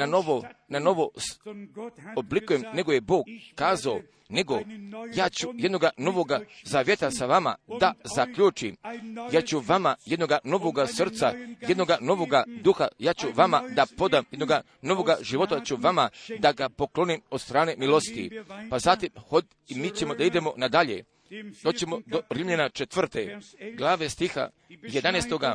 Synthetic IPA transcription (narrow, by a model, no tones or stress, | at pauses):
anoʋonano̞ʋos | oblikujemne̞ɡo̞je̞bo̞ːɡːaːzao | neɡo̞jaːt͡ɕujed̪no̞ɡano̞ʋo̞ɡazaːʋjet̪asaʋama̰d̪azakʎuːt͡ʃimjat͡ɕuʋamaje̞d̪no̞ɡano̞ʋoɡasrt̪sa̰je̞d̪no̞ɡano̞ʋo̞ɡad̪uxa̰jaːt͡ɕuʋamad̪apo̞d̪amjed̪noɡa | no̞ʋo̞ɡaʒiʋo̞t̪at͡ɕuʋamad̪aɡapo̞klo̞nimod̪st̪ɾaːne̞milo̞st̪ḭpazat̪imho | imiːt͡ɕe̞mo̞d̪aid̪e̞mo̞nad̪aʎe̞̰ | d̪o̞ːt͡ɕe̞mo̞d̪o̞ɾimʎenat͡ʃet̪ʋr̩t̪eɡlˠaːʋe̞st̪ixa̰ | jed̪anest̪o̞ɡa